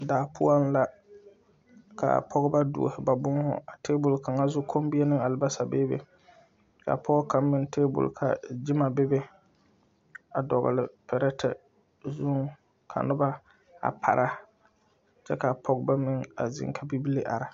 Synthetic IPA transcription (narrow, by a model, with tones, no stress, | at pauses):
daː˨pʰʊ̰˦ɔ˦n˦la˨ | ka̰˨pʰɔ˦ɡba˦dṵ˨o̰˨hɪ˨ba˨bʊ˦ŋ˦hʊ̰˦a˨teː˦bʊ˨lka˨ŋa˦zʊ˦kʰo˦m˦bi˦ɛ˦nɨ˦ŋa˨lɪ˨ba˦sa˨be˦bḛ˨ | ka̰˨pɔ˦ɡka˨mɪ˦nteː˦bʊ̰˨lkʰa̰˨d͡ʒɪ˦ma˨be˦be˦ | a˨dɔ˨ɣʊ̰˨lɪ˨pɛ˨ɾɛ˦tʰɛ̰˨ | zʊ˦ŋ | kʰa̰˨nʊ˦ba˦ | a̰˨pʰa̰˨ɾʔa˦ | t͡ʃɛ˦ka˨pʰɔ˦ɡba˦mɪ˦ŋa̰˨zɪ̰˨ŋkʰa˦bi˦bi˦li˦ʔa̰˨ɾɪ˨